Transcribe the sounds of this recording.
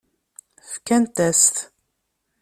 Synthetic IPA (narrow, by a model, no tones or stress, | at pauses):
fkænt̪æst̪